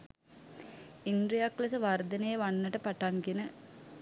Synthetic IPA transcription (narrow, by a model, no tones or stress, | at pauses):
ind̪ɾijaklesəʋard̪ənejəʋanːəʈəpaʈankenə